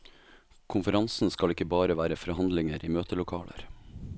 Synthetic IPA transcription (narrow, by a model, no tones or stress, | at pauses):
kʰʊnfəɾɑnsn̩skɑlɪkəbɑːɾəʋæːɾəfɔɾhɑnd̪lɪŋəɾʔiːmøːt̪əlʊkʰɑːlə̰ɾ